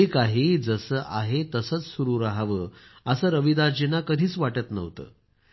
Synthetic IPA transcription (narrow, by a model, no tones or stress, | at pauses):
ekaɦid͡zəsəːʔaɦet̪əsət͡ssuɾuːɾaɦʋəːəsəɾəʋid̪aɾd͡ʑinakəd̪ʱiːt͡sʋaʈət̪nə̰ʋt̪ə̰ː